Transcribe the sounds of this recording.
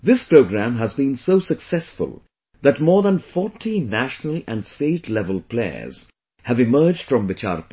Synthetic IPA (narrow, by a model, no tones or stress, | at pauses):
ðɪspɾoʊɡɾæ̃mɦæzbĩnsoʊsəksɛsfʊ̰lˠ | ðætmɔːɹðə̃nfɔːʈʰinæʃnəlæ̃nsteɪtʰlɛvəlˠpleɪə̰˞z̥ | hævɪmɜ˞d͡ʒd̥fɹʌ̃mbɪt͡ʃa̰ɾp